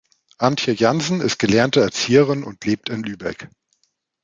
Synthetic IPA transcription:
ʔantçəjanzn̩ɪst̚ɡ̥əlɛɐntəɛɐt͡siːəʁɪnʊ̰ntʰleːp̚tɪnlyːbɛ̰k

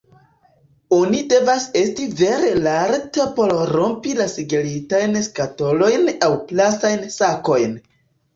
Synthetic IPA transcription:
onide̞vase̞stive̞ɾelaɾtepo̞ɾɾo̞mpilasiɡelitajnskato̞lo̞jnawplasajnsako̞jn

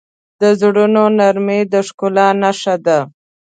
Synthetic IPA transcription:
d̪əzɽunonaɾmed̪əʂkolanaʃad̪a

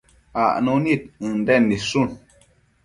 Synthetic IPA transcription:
aʔnunit̩̚ndɛnːisun

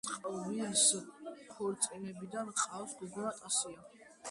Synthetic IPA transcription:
qʼvisχʰuɾt̪sʼinɛbid̪anqʼasɡud̪ɛɾat̪ʼasia

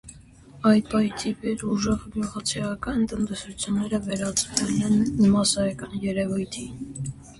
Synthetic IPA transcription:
ɑjt̪̚pɑt̪ʰipɛɾuʒɛʁmjuʁɑt͡sʰiɑkɑnt̪ənt̪ɛsut͡sʰjunːɛɾəvɛɾɑt͡svɛlɛnːəmɑsɑɾɑkɑnjɛɾɛvujt̪ʰi

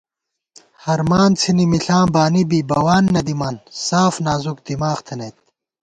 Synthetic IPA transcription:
hɐɾmaːnt͡sʰinimiɬãːbaːnibibɐwaːnːɐd̪imɐnsaːfnaːzuk̚d̪̥imaːxt̪ʰenet̪̚

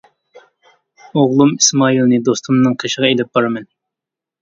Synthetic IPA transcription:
oʁlˠumismɑilˠnɨd̪ost̪ʰumnɨŋqʰeʃəʁɑelɪp̚b̥ɑɾmɛn

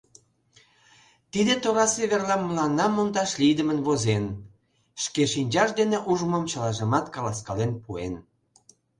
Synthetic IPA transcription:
t̪id̪et̪oɾɑsiβerlɑmːəlɑnːɑmond̪ɑʃlid̪əmənβozen | ʃkeʃinʲd͡ʑɑʃd̪eneʔuʒməmt͡ɕəlɑʒəmɑt̪kɑlɑskɑlenpuḛn

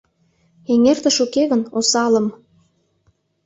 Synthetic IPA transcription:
eŋert̪ə̆ʃukeɣənosɑlə̆m

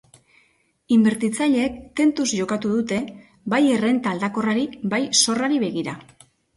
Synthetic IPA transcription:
imbe̞ɾt̪it͡saʎe̞ːk̚t̪e̞nt̪uzʝo̞kat̪uðut̪e̞ | baje̞re̞nt̪aːld̪ako̞raɾibajso̞raɾiβeɣiɾa

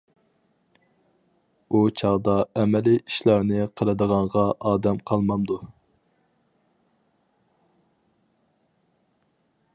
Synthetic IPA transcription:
ut͡ʃʰɑʁd̪ɑɛmɛliiʃlˠɑɾnɨqʰəlˠɨd̪əʁɑɴʁɑʔɑːd̪ɛmqʰɑlˠmɑnd̪u

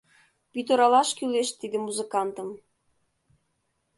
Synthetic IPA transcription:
pit̪oɾɑlɑʃkyleʃt̪id̪ɘ̆muzɘkɑnt̪ɤ̆m

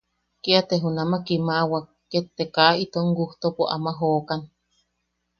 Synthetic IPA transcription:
kiat̪eɦunamakimaʔwakːet̪ːekait̪oʔŋɡuht̪opoʔa̰maɦoːkan

